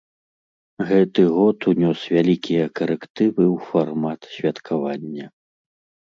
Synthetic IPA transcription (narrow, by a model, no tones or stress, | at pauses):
ɣɛt̪ɨɣɔt̪unʲɔsvʲalʲikʲijɐkɐɾɛkt̪ɨvɨwfarmat̪sʲvʲɐt̪kʰavanʲːɐ